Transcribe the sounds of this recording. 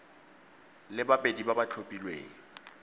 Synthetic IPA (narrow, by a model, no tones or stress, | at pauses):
lɪbapʼedibabat͡ɬʰopʼilwḛːŋ̩